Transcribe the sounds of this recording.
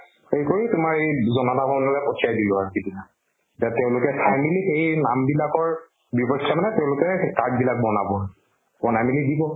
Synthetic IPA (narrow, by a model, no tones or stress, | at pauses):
xejkoɹitʊmaɹejzɔnɔtabɔnɔlɛpɔt͡ʃiajdilʊaɹkidina | dateʊ̃lʊkɛpʰajmilixejnambilakɔɹ | bipɔksʰamanɛteʊ̃lʊkɛkad̚bilak̚bɔnabɔ | bɔnamilidibɔ